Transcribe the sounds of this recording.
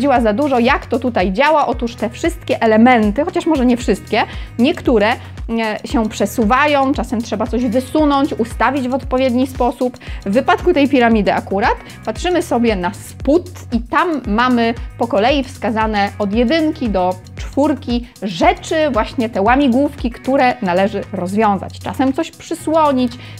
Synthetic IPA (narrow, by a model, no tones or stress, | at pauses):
d͡ʑiwazad̪uʐɔjakt̪ɔt̪ut̪ajd͡ʑawaʔɔt̪uʂt̪ɛfʂɘst̪̚kʲɛʔɛlɛmɛnt̪ɘxɔt͡ɕaʂmɔʐɛɲɛfʂɘst̪kʲɛɲɛkt̪uɾɛ | ɕɛpʂɛsuvajɔ̃w̃t͡ʂasɛmtʂɛbat̪sɔʑvɘsunɔɲt͡ɕust̪avʲid͡ʑvɔt̪pɔvʲjɛd̪ɲispɔsupvːɘpat̪kut̪ɛjpʲiɾamʲid̪ɘʔakuɾat̪ | patʂɘmɘsɔbʲjɛnasput̪ | it̪amːamɘpɔkɔlɛjifskazanɛɔd̪ʲjɛd̪ɘŋkʲid̪ɔ | t͡ʂfuɾkʲiʐɛt͡ʂɘvwaɕɲɛt̪ɛwamʲiɡwufkʲikt̪uɾɛnalɛʐɘɾɔzvʲjɔ̃w̃za̰t͡ɕt͡ʂa̰sɛmt̪sɔɕpʂɘswɔɲit͡ɕ